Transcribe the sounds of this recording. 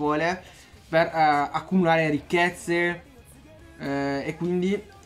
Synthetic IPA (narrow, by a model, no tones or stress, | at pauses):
ɔːle | perakːumulaːɾeɾikːet̪sːe | ekːwind̪i